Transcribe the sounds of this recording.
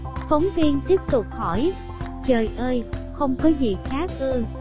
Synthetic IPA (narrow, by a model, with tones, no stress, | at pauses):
fə˨˦wŋ͡mvi˧ənt̪i˦˥əp̚t̪ʊ˨˩k͡p̚hɔ˧˩j | t͡ɕəː˨˩jʔəː˧jxə˧wŋ͡mkɔ˨˦zḭ˨˩xaː˨˦kəː˧